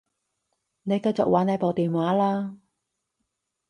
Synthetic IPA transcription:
ne˨˧jkɐ˧jt͡sʊ˨k̚wʔaː˨˥ne˨˧˥po˨˩t̪iː˨mwaː˨˥laː˧

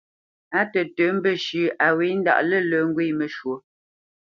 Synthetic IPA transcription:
a˦tə˨tə˨˦m̩˦bə˦ʃʉ˨ʔa˨we˨˦n̩˦da̰˨ʔlə˦˨lə˨˦ŋ˦ɡwi˦˨mə˨ʃwo˨

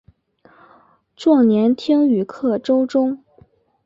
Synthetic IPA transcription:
ʈ͡ʂwɑ˥˩ŋnjɛ˧˥nt̪ʰi˥ŋy˨˩kʰɤ˥˩ʈ͡ʂo˥ʊʈ͡ʂʊ˥ŋ

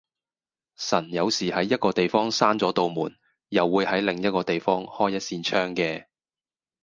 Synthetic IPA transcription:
sɐ˨˩njɐ˨˧wsiː˨˩hɐ˨˥jːɐ˥t̚kɔː˧t̪e˨jfɔː˥ŋsaː˥nt͡sɔː˨˥t̪o˨wmuː˨˩n | jɐ˨wːuː˨˧jhɐ˨˥jlɪ˨ŋjɐ˥t̚kɔː˧t̪e˨jfɔː˥ŋhɔː˥jːɐ˥t̚siː˧nt͡ʃʰœː˥ŋkɛː˧

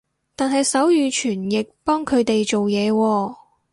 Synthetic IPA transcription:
t̪aː˨nɦɐ˨jsɐ˨˥wjyː˨˧t͡ʃʰyː˨˩njɪ˨k̚pɔː˥ŋkʰɵ˨˧ɥt̪e˨jt͡ʃo˨wjɛː˨˧wɔː˧

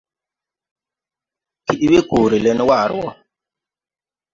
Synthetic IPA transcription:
kʰi˨ɗi˦we˦koː˨ɾi˨le˦n˦wa˦˨ɾwɔ˦

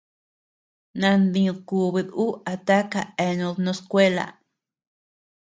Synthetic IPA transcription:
nã˧nd̪ĩ˧ku˧βi˧ðu˦ʔa˧t̪a˦ka˧e˧nũ˧ðnõ˧˦skʷe˦la̰˨

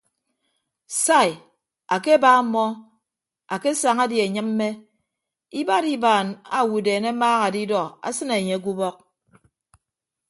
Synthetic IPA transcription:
sa˦˨j | a˨ke˦baː˦m̩˦mːɔ˦ | a˨ke˦sa˨ŋa˦dje˨ɲɨ˦mm̩ː˦e˦ | i˦ba˦ɾi˦baː˨na̰˨wu˨deː˨ne˦maː˦ɣa˨di˦dɔ˨a̰˨sɨ˦ne˨ɲe˨a˦k̬u˦bɔ˦k̚

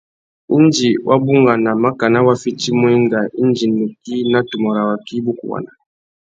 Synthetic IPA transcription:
u˦nd͡ʒi˨wʔa˦bu˦ŋɡa˨na˨ma˦ka˨na˦wa˦fi˦ti˦mu˦i˦ŋɡa˨i˦nd͡ʒi˨nu˨ki˦na˦tu˨mɔ˨ɾa˨wa˨ki˦bu˦kṵ˨wa̰˨na˨

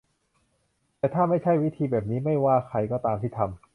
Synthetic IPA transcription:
t̪ɛː˨˩t̪ʰaː˥˩ma˥˩jt͡ɕʰa˥˩jwi˦˥t̪ʰiː˧bɛː˨˩p̚niː˦˥ma˥˩jwaː˥˩kʰa˧jkɔː˥˩t̪aː˧mt̪ʰiː˥˩t̪ʰa˧m

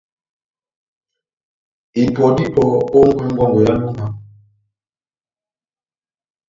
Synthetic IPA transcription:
i˨pɔ˨di˦pɔ˨o˦ŋ̩˦ka˦ŋ̩˦ɡa˦ŋɡɔ˨ja˦lu˦ma˦

